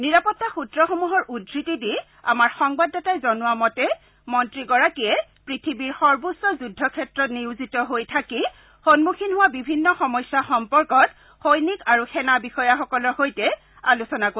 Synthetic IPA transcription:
niɹapɔtːaxutɹɔxomuɦɔɹʔudʱɹitidi | a̰maɹxɔŋbadːɔtajzɔnʊwamɔtɛ | mɔntɹiɡɔɹakiɛpɹitʰibiɹxɔɹbusɔzudʱːɔkʰɛtɹɔtniuzitɔɦojtʰaki | xonmukʰinɦʊwabibʱinːɔxɔmɔjsaxɔmpɔɹkɔt | xojnikaɹuxɛnabixɔjaxɔkɔlɔhojtɛ | alusɔnako

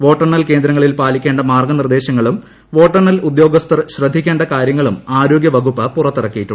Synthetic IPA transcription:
ʋo̞ːʈːɐrɳɐlke̞ːnd̪ɾɐŋːɐɭilpaːlikʲːe̞ːɳɖɐmaːrɡɐnird̪e̞ːɕɐŋːɐɭum | ʋo̞ːʈːɐrɳɐlud̪jo̞ːɡɐst̪ʰɐrɕrɐd̪ʱːikʲːe̞ːɳɖɐkaːɾjɐŋːɐɭumaːɾo̞ːɡʲjɐʋɐɡupːɐpurɐt̪ːirɐkːijiʈːuɳ

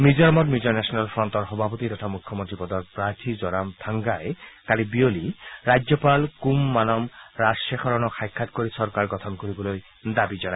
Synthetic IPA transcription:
mid͡ʒɔɾmɔt̪mjud͡ʒɔɾnɛsɔnalfɾɔnt̪ɔɾxɔbʱapɔt̪it̪ɔt̪ʰamukʰːɔmont̪ɾipɔd̪ɔk̚pɾaɾt̪ʰid͡ʒɔɾamt̪ʰaŋɡaekalibioliɾajd͡ʒɔpalkumːanɔmɾasexɔɾɔnɔxʰajkʰːat̪koɾisɔɾkaɾɡɔt̪ʰɔnkoɾibɔloj | d̪abid͡ʒɔna

